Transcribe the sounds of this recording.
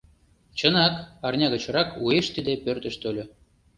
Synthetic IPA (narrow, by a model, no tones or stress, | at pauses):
t͡ɕɤ̆nɑkɑrnʲɑɣə̆t͡ɕɤ̆ɾɑkueʃt̪id̪epørt̪ə̆ʃt̪olʲɤ̆